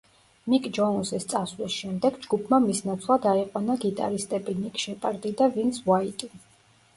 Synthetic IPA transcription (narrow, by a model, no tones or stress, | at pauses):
mikʼd͡ʒɔunsist̪sʼasvlisʃɛmd̪ɛɡd͡ʒɡupʰmamisnat̪sʰlˠad̪aiqʼwanaɡit̪ʼa̰ɾist̪ʼɛbinikʼʃɛpʼaɾd̪ʼid̪avint̪sʰwait̪ʼi